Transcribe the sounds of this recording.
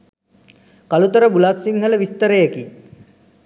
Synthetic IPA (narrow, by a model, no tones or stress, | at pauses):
kalut̪əɾəbulasːiŋɦələʋist̪əɾəjeki